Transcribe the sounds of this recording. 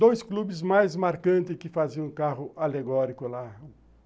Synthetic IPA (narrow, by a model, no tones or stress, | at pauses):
d̪ojsklubɪzmajzmaɾkɐ̃nt̪ɪkɪfaziɐ̃ũkaɦʊʔaleɡɔɾikʊla